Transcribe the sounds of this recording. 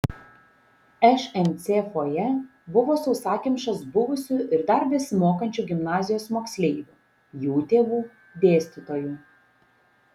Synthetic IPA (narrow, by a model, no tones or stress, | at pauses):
ɛʃɛmʲt̪sʲefoːjɛ | bʊʋoːsɔʊsɑːkʲɪmʲʃɐsbʊʋʊsʲʊʔɪɾd̪ɐɾbʲɪsʲmoːkɐnʲt͡ʃʲuɡʲɪmnɑːzʲɪjoːsmoːksʲlʲɛɪʋʲuː | juːt̪ʲeːʋuː | d̪ʲeːsʲt̪ʲɪt̪oːju